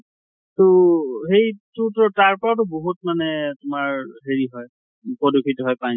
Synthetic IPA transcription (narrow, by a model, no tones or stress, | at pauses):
toɦejtutɔɹtaɹpɔɹat̬ʊboɦut̚manɛtʊmaɹɦeɹiɦɔj | upɔdukʰitɔɦɔjpaj